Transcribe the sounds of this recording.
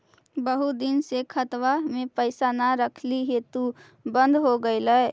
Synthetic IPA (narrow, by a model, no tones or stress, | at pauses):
bəɦud̪ɪnsekʰət̪wamẽpəɪsanaɾəkʰliɦet̪u | bə̃nd̪ʱɦoɡəeləe